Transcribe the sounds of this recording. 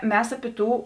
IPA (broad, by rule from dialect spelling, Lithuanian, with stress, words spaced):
ˈmʲɛs ɐˈpʲɪ ˈtuː